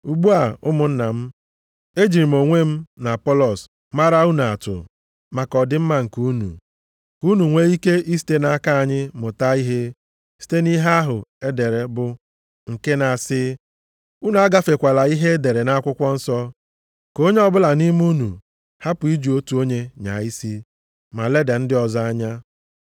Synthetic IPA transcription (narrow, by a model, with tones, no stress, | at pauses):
u˨ɡ͡bu˦a˨ʊ˦mʊ˨n̩˦na˨m̩˦ | e˦d͡ʒi˨ɾi˨mo˨ŋʷe˦m̩˦na˨pɔ˦lɔ˨s | ma˦ɾa˦u˦nu˨a˨tʊ̰˨ | ma˨kɔ˨dɪ˦m̩˦ma˦ŋ̩˨ku˦nṵ˨ | ku˦nu˨ŋʷe˦i˦ke˦ʔi˦s̬i̥˦te˦na˨˦ka˦a˨ɲɪ˦mʊ˨ta˦i˦ɦe˦ | si̥˦te˦ni˦ɦe˦a˦ɦʊ˨e˦de˨ɾe˨bʊ˨ | ŋ̩˨ke˦na˨sɪ˦ | u˦nu˨a˦ɡa˦fe˨kʷa˨la˨i˦ɦe˦de˨ɾe˨na˦kʷʊ˦kʷɔ˦n̩˦sɔ˦ | ko˦ɲe˦ɔ˦bʊ˦la˨ni˦m˦u˦nṵ˨ | ha˦pʊ˨i˦d͡ʒu˨o˦tu˨o˦ɲe˦ɲa̰˨i˦si˦ | ma˨le˦de˨n̩˦dɪ˦ɔ˨za˦a˦ɲa˦